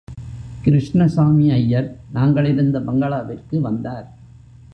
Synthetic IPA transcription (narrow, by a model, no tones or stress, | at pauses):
kɪɾɪʂɳɐsaːmiɐjːɐɾnaːŋɡɐɭɪɾɯnd̪ɐbɐŋɡɐɭaːʋɪrkɯʋɐnd̪aːɾ